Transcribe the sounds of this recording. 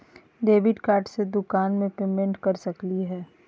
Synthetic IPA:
ɖeːʋɪɖkaːɾʈsed̪ʊkaːnmẽpeːmẽɳʈkɐɾsɐkliɦɛː

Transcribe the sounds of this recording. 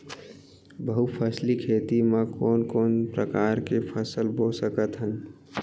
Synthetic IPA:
bəɦupʰəslikʰeːt̪imãkoːnkoːnpɾəkaːɾkepʰəsəlbosəkət̪ɦən

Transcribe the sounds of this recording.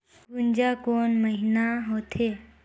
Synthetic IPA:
ɾund͡ʑakonməɦinaɦot̪ʰe

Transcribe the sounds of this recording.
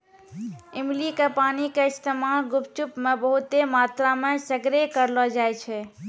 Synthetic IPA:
imlikepanikeist̪emalɡupt͡ʃupmebəɦut̪emat̪ɾamesəɡɾekəɾlɔd͡ʒajt͡ʃʰɛ

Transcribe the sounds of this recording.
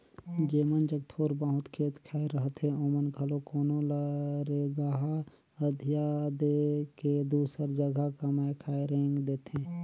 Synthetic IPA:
d͡ʒeːmənd͡ʒəɡt̪ʰoːɾbaɦʊt̪kʰeːt̪kʰaːeɾəɦt̪ɦẽoːmənkʰəlokoːnoləɾeɡaɦa | əd̪ʱijad̪eked̪uːsəɾd͡ʒəɡʱakəmaekʰaeɾẽːŋɡd̪eːt̪ẽː

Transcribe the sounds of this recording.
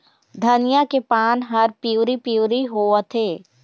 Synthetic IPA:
d̪ʱɐnɪjakepaːnɦɐɾpiuːɾipiuːɾiɦoːət̪ʰeː

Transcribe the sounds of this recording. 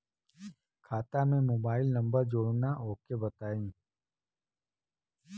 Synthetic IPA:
kʰaːt̪amẽmoːbaːɪlnɐ̃mbəɾd͡ʒoːɽnaɦoːkebɐt̪aːĩː

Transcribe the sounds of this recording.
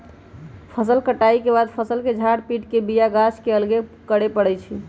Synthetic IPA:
pʰəsəlkəʈaikebad̪pʰəsəlked͡ʒʱaɽpiʈkebijaɡaskeəlɡekəɽepəɽɛjt͡ʃʰi

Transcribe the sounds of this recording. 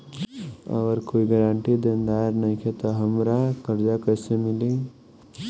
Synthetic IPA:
ə̰ɡəɾkoːiɡəɾãɳʈid̪ənd̪aːeɾnɐɦĩkʰet̪ɔɦəmɾakəɾd͡ʒakəsemɪli

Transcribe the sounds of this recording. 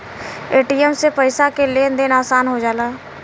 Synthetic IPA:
eːʈijəmsepəɪsakelend̪ɪnaːsaːnɦod͡ʒaːlaː

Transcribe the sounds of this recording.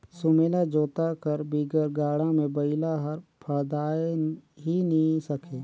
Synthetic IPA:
sʊmeːlad͡ʒoːt̪akəɾbiːɡəɾɡaːɽãmẽbəɪlaɦəɾpʰəd̪aːeɦinisəkʰeː

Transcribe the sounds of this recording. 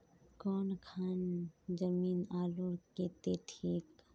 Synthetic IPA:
kɔːnkʰaːnd͡ʒəmiːnaːloːɾket̪et̪ʰeːk

